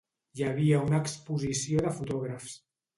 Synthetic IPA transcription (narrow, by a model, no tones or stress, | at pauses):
jəβ̞iəunəːkspuzisioðəfut̪ɔɣɾəfs